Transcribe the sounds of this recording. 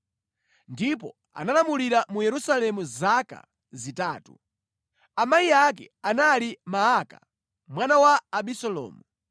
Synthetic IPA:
ndip̬ɔ | a̰nalamuliɾamujɛɾusalɛmuzaka̰ | zitaːtṵ | amaiak̬ɛ̰analimaaka̰ | mwanawaːɓisɔlɔ̰ːmu

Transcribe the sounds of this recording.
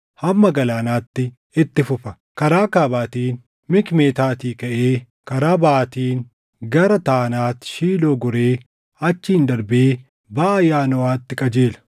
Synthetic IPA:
hɐmːɐɡɐlaːnaːt̪ːɪ | ɪt̪ːɪfʊfɐ | kɐɾaːkaːbaːt̪iːn | mɪkme̞ːt̪aːt̪iːkɐʔeː | kɐɾaːbaːt̪iːn | ɡɐɾɐt̪aːnaːt̪ʃiːloːɡʊɾe̞ː | ɐt͡ʃːiːnd̪ɐɾbɪeː | baʔɐjaːnɔwaːt̪ːɪkʼɐd͡ʒeːlɐ̥

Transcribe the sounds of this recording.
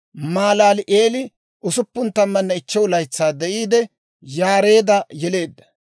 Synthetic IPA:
maːlaːlɪʔeːlɪ | ʔʊsʊpːʊnt̪ɐmːɐnːɐɪt͡ʃːɛwʊlɐjt͡sːaːd̪ɛʔiːd̪ɛ | jaːɾe̞ːd̪ɐjɛle̞ːd̪ːɐ̥

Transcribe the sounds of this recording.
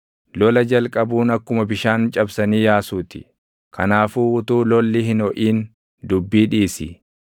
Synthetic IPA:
lɔlɐd͡ʒɐlkʼɐbuːnɐkːʊmɐbɪʃaːnt͡ʃʼɐbsɐniːjaːsuːt̪ɪ̥̰ | kʰɐnaːfuːʊt̪uːlɔlːɪhɪnɔʔiːn | d̪ʊbːiːᶑiːsɪ̰

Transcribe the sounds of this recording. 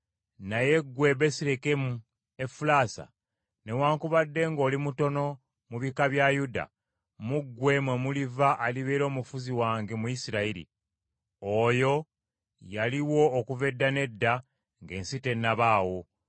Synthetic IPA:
naje̞ɡwe̞be̞siɾekemu | e̞fulaːsa̰ | ne̞waːŋkuβadːe̞ŋɡo̞ːlimuto̞no̞ | muβikaβjajuda̰ | muɡːwe̞mwemulivaʔːliβeːɾo̞ːmufuziwaːŋɡemujisiɾaiɾḭ | ojo̞ | jaliwo̞ːkuve̞dːane̞dːa | ŋɡe̞ːnsite̞nːaβaːwo̞

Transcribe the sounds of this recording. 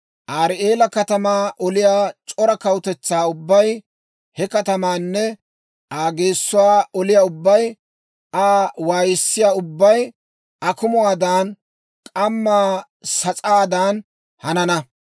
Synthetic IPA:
ʔaːɾeːlɐkɐt̪ɐmaːʔɔlɪjaːt͡ʃʼɔɾɐkɐwʊt̪ɛt͡sːaːʊbːɐj | hɛkɐt̪ɐmaːnːɛ | ʔaːɡe̞ːsːʊwaːɔlɪjaːʊbːɐj | aːwaːjɪsːɪjaːʊbːɐj | ɐkʊmʊwaːd̪aːn | kʼɐmːaː | sɐt͡sʼaːd̪aːn | hɐnɐnɐ

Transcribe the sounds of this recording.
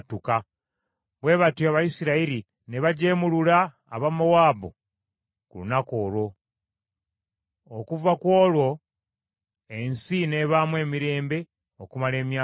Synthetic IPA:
tuka | βwe̞ːβatuaβajisiɾaiɾi | ne̞βaɟe̞mulula̰ː | βamowaːbo̰ | kulunako̞ːlo̞ | okuvakwo̞ːlwo̞ | e̞nsine̞βaːmwe̞ːmiɾe̞ːmbe̞ | o̞kumale̞ːmja

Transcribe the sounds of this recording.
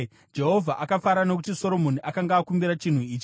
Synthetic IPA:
d͡ʒe̞ɦo̞vʱaʔakafaɾano̞k̬utiso̞ɾo̞mo̞niʔakaŋɡaːkumbiɾat͡ʃin̤uiːt͡ʃi̥

